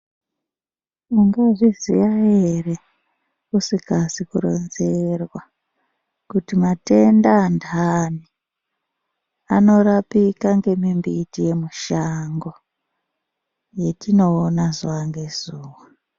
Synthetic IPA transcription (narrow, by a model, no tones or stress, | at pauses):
uŋɡeʐizḭjaɦere | usikasikuɾo̞̰nze̞rwa | kutimate̞ndaːndʱani | ano̞ɾapikaŋɡe̞mimbitije̞muʃaŋɡo̞ | je̞tino̞ːnazaŋɡe̞zuːwa